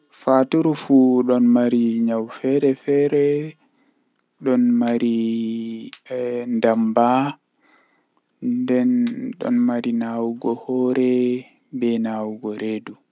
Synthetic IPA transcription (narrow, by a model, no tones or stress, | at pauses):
fatuɾufuɗɔnmaɾiɲawfɛɾɛfɛɾɛ | ɗɔnmaɾi | ndamba | ndɛnɗɔ̰nmaɾinawuɡɔhɔːɾɛ | bɛnawuɡɔɾedu